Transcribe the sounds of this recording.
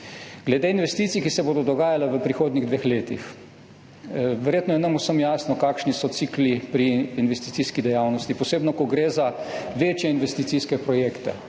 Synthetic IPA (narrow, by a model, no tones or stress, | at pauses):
ɡ̥lɛd̪einʋɛst̪iːt̪sijkisɛboːd̪ɔd̪ɔɡaːjalaʋəpɾixoːd̪niɣd̪ʋeːxleːt̪ix | ʋɛɾjeːt̪nɔjɛnɐmusəmjaːsnɔkaːkʃnisɔt̪siːklipɾiːnʋɛst̪i̥t̪siskid̪ɛjawnɔst̪ipɔseːbnɔkɔɡɾeːzaʋeːt͡ʃjɛinʋɛst̪it̪siskɛpɾɔjekt̪ɛ̰